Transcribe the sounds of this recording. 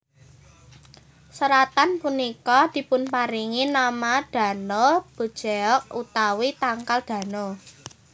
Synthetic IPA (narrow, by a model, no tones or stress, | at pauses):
səɾat̪anpunikɔd̪̥i̤pʊnpaɾiŋinamad̥ä̤nob̥o̤d̥ʒ̥eɔʔ̚ut̪awit̪aŋkald̪̥ä̤no